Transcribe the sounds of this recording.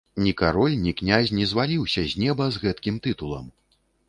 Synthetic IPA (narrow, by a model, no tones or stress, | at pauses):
nʲikaɾɔlʲnʲiknʲazʲnʲɛzvalʲiwsʲɐzʲnʲɛbɐzɣɛt̪kʲimt̪ɨt̪ulˠɐ̰m